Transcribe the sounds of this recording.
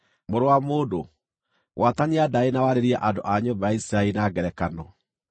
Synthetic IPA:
moɾowamoːdo | wʔataɲeadaenawaɾeɾia̰ʔandoʔaɲoːbajaisiɾaeinaɡɛɾɛkanɔ

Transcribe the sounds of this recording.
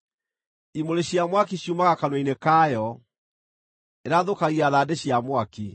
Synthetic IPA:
imoɾeɕjamwakiɕjumaɣakanwainekaːjɔ | eɾaðokaɣiaðadeɕjamwaki

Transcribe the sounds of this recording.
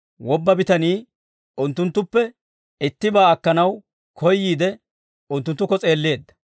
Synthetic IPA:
wɔbːɐbɪt̪ɐniː | ʊnt̪ːʊnt̪ːʊpːɛ | ɪt̪ːɪbaːɐkːɐnɐw | kʰɔjːiːd̪ɛ | ʊnt̪ːʊnt̪ːʊkːɔt͡sʼe̞ːlːe̞ːd̪ːɐ̥

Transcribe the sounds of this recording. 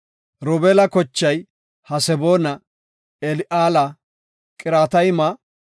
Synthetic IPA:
ɾɔbeːlɐkɔt͡ʃːɐj | hɐsɛboːnɐ | ɛlɪʔaːlɐ | kʼɪɾaːt̪ɐjmɐ

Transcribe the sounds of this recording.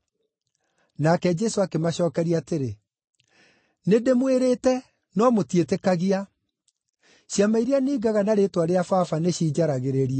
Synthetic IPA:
nakɛd͡ʒɛsoakemaɕɔːkɛɾiaːteɾe | nedemweɾeːtɛ | nɔmotietekaɣia | ɕjamaiɾianiːɡaɣanaɾetwaɾeafaːfaneɕiːd͡ʒaɾaɣeɾeɾia

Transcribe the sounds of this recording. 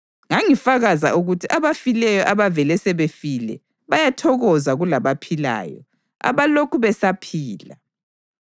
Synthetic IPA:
ŋaŋifaɣaza̰ʔuɣutʰiʔaβafilɛjɔʔaβavɛlɛsɛβefilɛ̰ | βajatʰɔɣɔzaɣulaβapʰila̰ːjɔ̰ | a̰βalokʰuβɛsapʰiːla

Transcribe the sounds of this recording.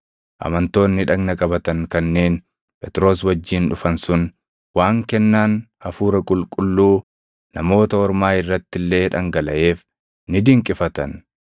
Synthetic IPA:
ʔɐ̰mɐnt̪o̞ːnːɪᶑɐɡnɐkʼɐbɐt̪ɐŋkɐnːe̞ːn | pʼɛt̪ɾo̞ːs̬wɐd͡ʒːiːnᶑʊfɐnsʊn | waːŋkɛnːaːnɐfuːɾɐkʼʊlkʼʊlːuː | nɐmo̞ːt̪ɐɔɾmaːɪrːɐt̪ːɪlːe̞ːᶑɐŋɡɐlɐʔe̞ːf | nɪd̪ɪŋkʼɪfɐt̪ɐn

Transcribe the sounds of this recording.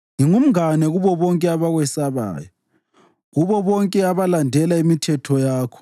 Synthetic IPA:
ŋiŋum̩anɛɣuβɔβɔŋkʼɛaβaɣwɛsaβa̰ːjɔ | ɣuβɔβɔŋkʼɛaβalandʱɛlaimitʰɛtʰɔjaːkʰɔ̥

